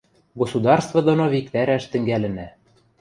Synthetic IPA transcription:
ɡosud̪ɑrst̪vɤ̆d̪ŏnoβik̚t̪æɾæʃt̪ɘ̆ŋɡælɘ̆næ

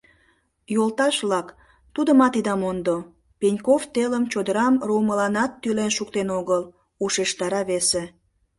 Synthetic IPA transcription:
jolt̪ɑʃβlɑk | t̪ud̪əmɑt̪id̪ɑmond̪o | penʲkoft̪eləmt͡ɕod̪əɾɑmruːməlɑnɑt̪ːylenʃukt̪enoɣəl | uʃeʃt̪ɑɾɑβese

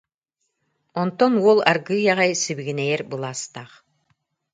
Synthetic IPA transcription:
ɔnt̪ɔnuɔlˠaɾɡɯːjaʁajsiβiɡinɛjɛɾbɯlˠaːst̪aχ

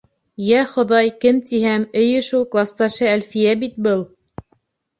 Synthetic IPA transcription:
jæχŏðɑjkɘmt̪ihæmɘ̆jɘʃulˠklˠɑst̪ɑʃɤælfijæbit̪̚bɤlˠ

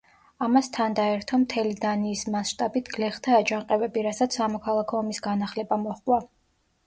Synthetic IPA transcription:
amast̪ʰand̪aɛɾt̪ʰɔmt̪ʰɛlid̪aniːsmasʃt̪ʼabit̪ʰɡ̥lɛχdt̪ʰaːd͡ʒaɴqʼɛvɛbiɾasat̪sʰːamɔkʰalˠakʰɔːmisɡanaχlɛbamɔχkʼwa

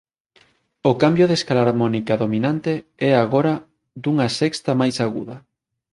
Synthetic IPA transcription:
ʊkambjʊðeskalaɾmɔnikaðominãnt̪eɛaɣoɾɐ | d̪uŋɐsɛkst̪ɐmajsaɣṵðɐ

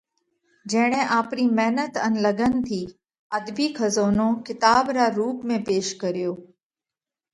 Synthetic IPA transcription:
d͡ʒɐɦɽ̃ẽʔaːpniːmɛɦnət̪ənləɡənt̪ʰiː | əd̪biːkʰəzoːnõkɪt̪aːbɾaɾuːpmẽpeːʃkəɾijoː

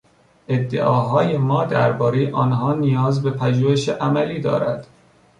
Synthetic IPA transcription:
ʔe̞d̪ːḛʔɒːɦɒːjemɒːd̪æ̰ɾbɒːɾejʔɒːnɦɒːnijɒːzbe̞pʰæʒuːheʃeʔæmæliːd̪ɒ̰ːɾæd̪̥

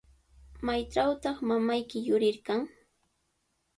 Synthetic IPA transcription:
majʈ͡ʂawt̪ɑχmamajkɪjʊɾɪɾkaŋ

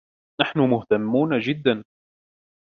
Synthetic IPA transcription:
naħnʊmʊht̪amːuːnad͡ʒɪd̪ːan

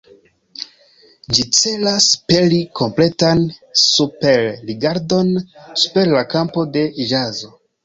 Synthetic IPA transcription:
d͡ʒit͡se̞laspe̞likʰo̞mple̞tansupe̞ɾːiɡaɾdo̞nsu̥pe̞ɾlakampo̞de̞d͡ʒazo̞

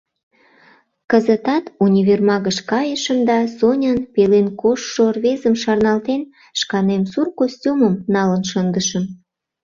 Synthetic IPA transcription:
kəzət̪ɑt̪unʲiβermɑɣəʃkɑjəʃəmd̪ɑsonʲənpelenkoʃːorβezəmʃɑrnɑlt̪en | ʃkɑnemsurkosʲtʲuməmnɑlənʃənd̪əʃə̆m

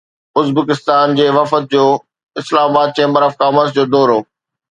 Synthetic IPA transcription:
ʊzbəkɪst̪aːnd͡ʑeːʋɐfət̪̚d͡ʑoː | ɪslaːmabaːd̪̚t͡ɕẽːmbəɾɐfkaːməsd͡ʑoːd̪oːɾoː

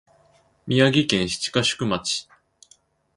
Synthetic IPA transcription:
mʲiaɡʲikẽ̞ɰ̃ɕi̥t͡ɕi̥kaɕɨ̥kɯ̟mat͡ɕi̥

